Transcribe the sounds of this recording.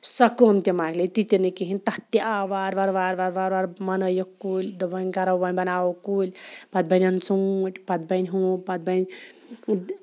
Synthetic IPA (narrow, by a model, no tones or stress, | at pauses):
sɐkomt̪emaːɡlet̪it̪enikiɦinʲt̪ɐt̪ːiʔaʋaːɾʋaɾʋaːɾʋaɾʋaɾʋaɾmɐnɐjokːuːlʲd̪ɐbɐnʲkɐɾɐʋɐnʲbɐnaːwokuːlʲpɐt̪̚bɐnʲɐnt͡suːʈʲpɐd̪̚bɐnʲɦũːpɐd̪̚bɐnʲ